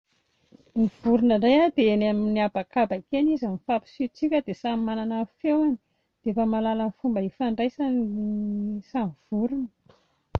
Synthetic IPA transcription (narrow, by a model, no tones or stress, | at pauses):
miv̥uɾunarajad̪eenaminiabakabakenizəmifapi̥sit͡sikʲəd̪esamimananafewani̥ | d̪̥efamalalanifumbəifaɳɖ͡ʐajsaniisamiv̥uɾunə̥